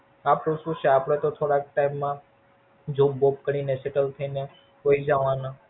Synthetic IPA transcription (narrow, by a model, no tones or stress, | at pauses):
apɽũʃũʃeapɽ̃et̪ot̪ʰoɽak̚ʈaimːã | d͡ʒobop̚kəɽ̃ineseʈəlt̪ʰəine | koid͡ʒaʋãna